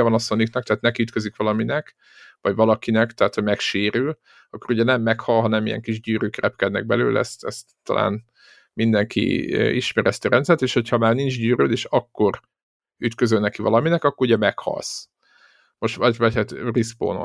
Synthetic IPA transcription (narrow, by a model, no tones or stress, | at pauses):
ɛvɒnɒsoniknɒk̚t̪ɛɦːt̪nɛkiyt̪køzikʋɒlɒminɛk | ʋɒɟʋɒlɒkinɛkt̪ɛɦaːt̪hoɟmɛkʃeːɾyl | ɒkːo̞ɾuɟɛnɛmːɛkhɒlɦɒnɛmijɛ̰ŋkiʒɟyːɾøːkrɛp̚kɛd̪nɛ̰ɡ̚bɛlø̰ːlɛ̰st̪ɛst̪ːɒ̰lʔa̰ːn | mind̪ɛŋkʰḭːḭʃmɛɾɛst̪iɒɾɛnt̪sɛrt̪eːʃho̞chɒmaːrnind͡ʒɟyːɾø̰ːd̪eːʃɒkːo̞r | yt̪køzølnɛkivɒ̰lɒminɛkɒkːoruɟɛmɛkhɒ̰ls | mo̞ʃɒɟvɒchaːt̪rispo̰ːno̰